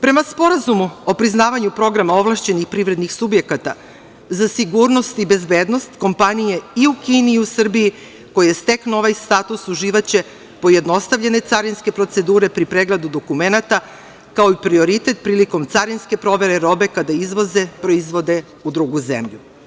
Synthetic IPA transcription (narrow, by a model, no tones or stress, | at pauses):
pɾe̞maspo̞ɾazumuo̞pɾiznaːʋaɲupɾo̞ɡɾamao̞ʋlˠaʃt͡ɕe̞nixpɾiʋɾe̞d̪nixsubje̞kat̪a | zasiɡuːɾno̞st̪ibe̞zbe̞ːd̪no̞st̪ko̞mpanije̞iukiːniːusr̩biji | ko̞jijest̪e̞kno̞ʋajst̪aːt̪usuʒiːʋat͡ɕe̞ | po̞je̞d̪no̞st̪aʋʎe̞ne̞t̪saɾinske̞pɾo̞t̪se̞d̪uːɾe̞pɾipɾeɡled̪ud̪o̞kume̞nat̪a | kao̞ipɾio̞ɾit̪e̞t̪̚pɾiːliko̞mt̪saɾinske̞pɾo̞ʋe̞ɾeɾo̞be̞kad̪aizʋo̞ze̞pɾo̞izʋo̞d̪e̞ | ud̪ɾuɡuzḛmʎu